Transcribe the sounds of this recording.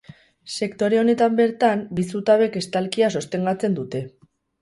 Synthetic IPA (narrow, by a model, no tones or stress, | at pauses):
se̞kt̪o̞ɾe̞o̞ne̞t̪ambe̞ɾt̪ambisut̪aβe̞ke̞st̪alkiaso̞st̪e̞ŋɡat͡se̞nd̪ut̪e̞